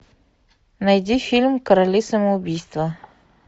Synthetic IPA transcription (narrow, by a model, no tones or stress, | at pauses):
nɐjdʲifʲilʲmkəɾɐlʲisəməʊbʲijst̪və